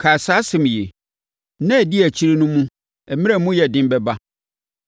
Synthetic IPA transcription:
kʰa˨sa˨˦sɪ̃˨m˨je˨ | nã˦æ˨di˦æ˨t͡ɕʰi˦ɾe˦nʊ̃˦mũ˦ | ɛ˨mɪ̃˦a˦mũ˦jɛ˨dɪ̃˦m˦bɛ˦ba˦

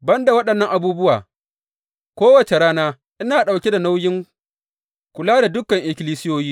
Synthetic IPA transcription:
bɐ˦nda˨wɐ˦ɗɐ˨nːɐ˦ŋʔa˨buː˦bʊ˦waː˨ | kʷoː˦wɐ˨t͡ʃe˨ɾaː˦naː˦ | ʔɪ˦naː˨ɗa˨wkʲe˦da˨na˦wjɪ˦ŋ | kʷʊ˨laː˦da˨dʊ˦kɐ˨ŋʔɪ˦kʲɪ˦liː˦sɪ˦joː˦jiː˦

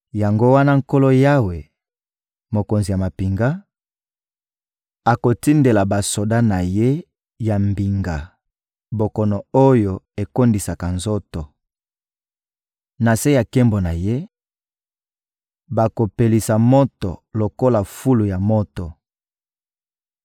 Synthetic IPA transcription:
ja˨ŋɡo˦wa˦na˦ŋ̩˦ko˦lo˦ja˦we˨ | mo˨ko˨nzi˨ja˨ma˨pi˨ŋɡa˦ | a˨ko˨ti˦nde˨la˨ba˨so˨da˦na˨je˦ | ja˨mbi˨ŋɡa˨ | bo˨kɔ˨nɔ˨o˦jo˨e˨ko˦ndi˨sa˨ka˨nzo˦tɔ˨ | na˨se˦ja˨ke˦mbo˨na˨je˦ | ba˨ko˨pe˨li˨sa˨mo˦tɔ̰˨lo˨ko˦la˨fu˦lu˨ja˨mo˦tɔ˨

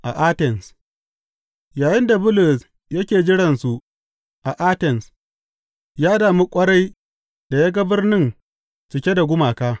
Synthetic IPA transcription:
ʔa˨ʔa˦tɛ˨ns | jaː˨jɪ˦nda˨bʊ˦lʊ˨s | jɐ˦kʲeː˨d͡ʒɪ˦ɽɐ˨nsu˨ | ʔa˨ʔa˦tɛ˨ns | jaː˦daː˨mi˦kʷʼɐ˦ɽa˦j | d̥a˨jaː˦ɡa˦bɪ˦rnɪ˦n | t͡ʃɪ˨kʲe˦da˨ɡʷʊ˦maː˨kaː˦

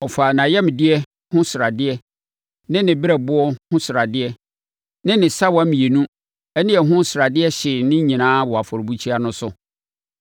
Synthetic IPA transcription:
ɔ˨faː˨nã˨jɛ˦m˨dɪ˦ɛ˦ | hʊ̃˦sʊ˨ɾa˨dɪ˦ɛ˦ | nɪ̃˦nɪ̃˨bɪ˦ɾɛ˨bʊ˦ɔ˦hʊ̃˦sʊ˨ɾa˨dɪ˦ɛ˦ | nɪ̃˦nɪ̃˨sa˦wɔ˨a˦mĩ˨e˨nũ˦ | ɛ˦nɪ̃˦ɛ˨ɦʊ̃˦sɾa˨dɪ˦ɛ˦ɕɪ˨nɪ̃˦ɲĩ˨nãː˦wɔ˨a˨fɔ˨ɾbu˦t͡ɕʰi˦a˦nʊ̃˦sʊ˨

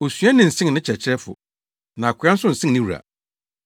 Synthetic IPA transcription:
o˨sɥa˦nɪ̃˨n̩˨sɪ̃˦ŋ˨nɪ̃˦t͡ɕʰɛ˨t͡ɕʰɪ˦ɾɛ˦fʊ̰˨ | nã˨a˨kʰʊ˨˦a˦n˦sʊ̃˦n̩˨sɪ̃˦ŋnɪ̃˦wu˨ɾa̰˨

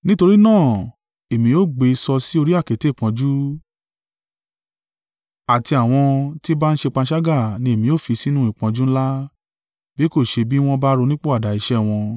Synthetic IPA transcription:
nĩ˦to˧ɾi˦nãː˦˨ | e˨mĩ˧jo˦ɡ͡be˧i˧sɔ˧si˦o˧ɾi˦a˦˨ke˨˦te˦˨k͡pã˨˧d͡ʒu˦ | a˨ti˧a˨w̃ɔ̃˧ti˦ba˦n̩˦ʃe˧k͡pã˧˦ʃa˦ɡa˦˨nĩ˧e˨mĩ˧jo˦˨fi˧si˦nũ˦i˦˨k͡pã˧d͡ʒu˦ñ̩˦la˦ | bi˦ko˦˨ʃe˧bi˦w̃ɔ̃˧ba˦ɾo˧nĩ˦k͡po˦a˦˨da˨i˧ʃɛ˦w̃ɔ̃˧

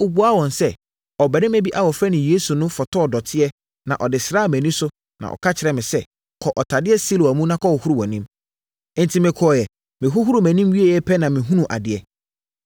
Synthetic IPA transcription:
ʊ˨bu˨a˦wɔ̃˨n˨sɛ˦ | ɔ˨bæ˨ɾɪ̃˦mɛ̃˦bi˦ʔa˦wɔ˨fɾɛ˦nɪ̃˨jeː˦su˨nʊ̃˦fɔ˨tʰɔ˦ɔ˨dɔ˨tʰɪ˦ɛ˦ | nã̰˨ʔɔ˨dɪ˨sɾa˦˨mɛ̃˨nĩ˦sʊ˦ | nã̰˨ʔɔ̰˨kʰa˦t͡ɕʰɪ˨ɾɛ˨mɪ̃˨sɛ˦ | kʰɔ˨ʔɔ˨tʰa˨dɪ˦ɛ˦si˦lo˨æ˨mũ˦nã˦kʰɔ˦wɔ˨hʊ˦ɾu˨wɔ̃˨nĩ˦m˦ | n̩˦tʰi˦mɪ̃˨kʰɔ˨ɔ˨jɛ˨ | mɪ̃˨ɦʊ˦ɦʊ˦ɾu˨mæ̃˨nĩ˦mɥi˦e˨jɛ˦pʰɛ˦nã˨mɪ̃˨ɦũ˦nũ˨ʔa̰˨dɪ˨ɛ˦

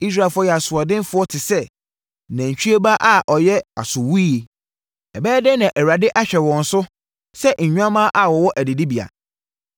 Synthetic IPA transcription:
i˦s̬ɾa˦˨e˨fʊ˦ɔ˦jɛ˨a˨sʊ˨ɔ˨dɪ̃˦n˦fʊ˦ɔ˦tʰɪ˨sɛ˦ | nã˨ɲ˨t͡ɕᶣy˦e˦ba˦ʔa˦˨ʔɔ˨jɛ˦a̰˨sʊ˨wu˦je˨ | ɛ˨bɛː˦dɛ˦nã˨ʔæ˨wa˨dɪ˦ʔa˦ɕᶣɛ˨wɔ̃˨n̩˨sʊ˦ | sɛ˦ʔɲ̩˨ɲᶣũ˦ã˦mã˦ʔa˨wɔ˨wɔ˦ʔæ˨dɪ˨di˦bi˨a̰˨

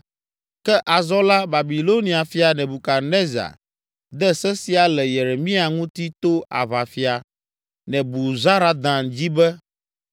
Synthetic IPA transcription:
kɛ˦ʔa˨zɔ˦la˦ba˨bi˨lo˦nĩ˨a˨fi˦a˨nɛ̃˨bu˨ka˨ne˦za̰˨ | d̪ɛ˦sɛ˦si˨a˨lɛ˨je˨ɾe˨mĩ˦a˨ŋũ˦t̪i˦t̪o˦a̰˨va˨fi˨a˨ | nɛ̃˨bu˨za˦ɾa˨d̪ã˨nd͡ʑi˦bɛ˦

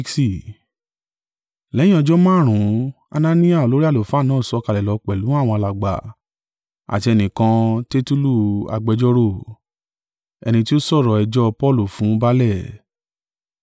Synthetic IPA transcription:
si˦˨ | lɛ˨˦jĩ˦ɔ˧d͡ʒɔ˦mã˦˨ɾ̃ũ˨˦ | a̰˧nã˧nĩ˦a˦˨o˨lo˨˦ɾi˦a˦˨lo˨fũ˨˦a˦˨nãː˨˦˨sɔ˧ka˧˨lɛ˨lɔ˨˧k͡pɛ˨lũ˨˦a˦˨w̃ɔ̃˧a˧la˨ɡ͡ba̰˨ | a̰˨ti˧ɛ˧nĩ˨kã˧te˦tu˦lu˦˨a̰˨ɡ͡bɛ˧d͡ʒɔ˦ɾo˦˨ | ɛ̰˧nĩ˧ti˦o˦sɔ˦˨ɾɔ˨ɛ˧d͡ʒɔ˦pɔ˦˨lu˨fũ˨˦ba˦lɛ˦˨

